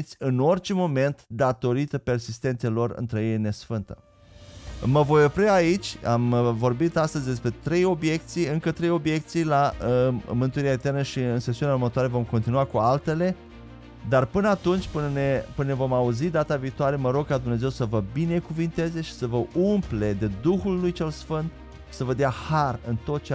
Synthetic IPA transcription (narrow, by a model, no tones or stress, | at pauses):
t̪sʲɨno̞rt͡ʃe̞mo̞me̞nt̪d̪at̪o̞ɾit̪əpe̞rsist̪e̞nt̪salo̞rɨ̰nt̪ɾəjejne̞sfɨnt̪ə̰ | məvo̞jopɾeait͡ʃʲamvo̞rbit̪ast̪əzʲd̪e̞spɾe̞t̪ɾe̞jo̞bje̞kt̪sijɨŋkət̪ɾejo̞bje̞k̚t̪sijla | mɨnt̪uɾiaet̪ernəʃiɨnsesiunauɾmət̪oaɾe̞vo̞mkont̪inuakualt̪e̞le̞ | d̪arpɨnəat̪unt͡ʃʲpɨnnepɨnevo̞mauzid̪at̪aviːt̪oaɾe̞məɾo̞ɡ̚kad̪umne̞ze̞wsəvəbine̞kuvint̪e̞ze̞ʃi̥səvəʔumple̞d̪e̞d̪uxulːujt͡ʃe̞lsfɨnt̪ | ʃi̥səvəd̪eaharɨnt̪o̞t̪̚t͡ʃe